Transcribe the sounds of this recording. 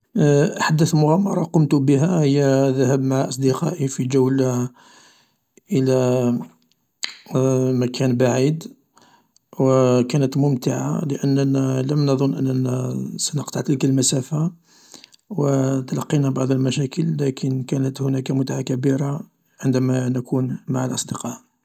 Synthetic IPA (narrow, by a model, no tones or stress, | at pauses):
ħad̪ːəθlmʊɣæmɑɾˤɑqʊmt̪ʊbəɦæhəjːæðæɦæbmaʕaʔɑsˤd̪iqɑʔifid͡ʒəwl | ʔəlæ | mækænbaʕid̪ | wəkænət̪mʊmt̪əʕa̰ləʔənːnæləmnɑd̪ˤʊnːʔənːnæsænəqt̪ˤɑʕt̪əlkəlmæsæfa | wət̪əlɑqːinæbɑʕd̪ˤəlmæʃækəlːækʰənkænət̪hʊnækæmʊt̪aʕakæbiɾa | ʕənd̪æmænækʰunmaʕalʔɑ̰sˤd̪əqɑʔ